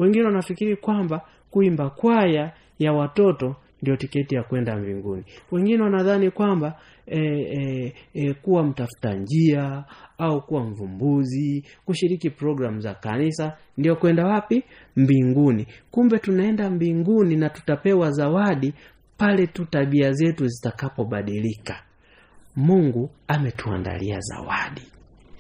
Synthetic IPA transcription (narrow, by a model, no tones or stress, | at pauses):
wɛŋɡinɛwanafikiɾikwamba | kuimbakwaja | jawatɔtɔ | ndijɔtikɛtijakwɛndambḭŋɡṵniwɛŋɡinɛwanaðanikwamba | ɛ | kuwam̩tafu̥ta̰ɲd͡ʒiaaukuwaɱ̩vumbuzi | kuʃiɾikipɾɔɡɾamuza̰ka̰nisa | ndiɔkwɛndawapi | mbiŋɡunikumbɛtunaɛndambiŋɡuninatu̥tapɛwazawaɗi | palɛtutaɓiazɛtuzitakapɔɓaɗilikḁ | muŋɡuamɛtua̰nda̰lḭa̰za̰wa̰ɗi